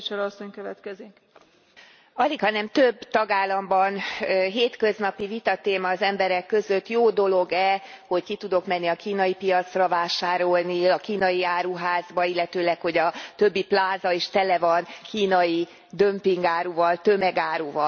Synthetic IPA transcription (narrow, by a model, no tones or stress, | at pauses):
t͡ʃɛɾɒsːoɲkøvɛt̪kɛziŋk | ɒlikhɒnɛmt̪øbt̪ɒɡaːlːɒmbɒnɦeːt̪kø̞znɒpivit̪ɒt̪eːmɒːzɛmbɛɾɛkːø̞zø̞t̪ːjoːd̪o̞lo̞ɡɛho̞ckit̪ud̪o̞kmɛnːiɒkiːnɒjipijɒt̪srɒvaːʃaːɾo̞lniɒkiːnɒjiaːɾuːɦaːzbɒilːɛt̪øːlɛkho̞ɟɒt̪ø̞bːiplaːzɒeʃt̪ɛlɛvɒnkiːnɒji | d̪ømpiŋɡaːɾuvɒlt̪ømɛɡaːɾuːvɒl